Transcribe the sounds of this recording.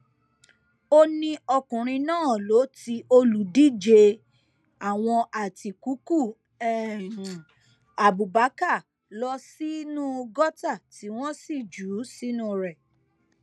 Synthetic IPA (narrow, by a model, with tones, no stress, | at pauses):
o˦nĩ˧ɔ˧kũ˨ɾ̃ĩ˧nãː˦˨lo˨˦ti˧ʔo˧lu˨˦di˦d͡ʒe˧ | a˨w̃ɔ̃˧ʔa˨ti˨ku˨˦ku˦˨ | ɛ˦˨ũ˨ | a˨bu˨ba˨˦ka˦˨ | lɔ˧si˦nũ˦˧ɡɔ˦ta˦˨ti˨˦w̃ɔ̃˦si˦˨d͡ʒu˨˦si˦nũ˦˨ɾɛ˨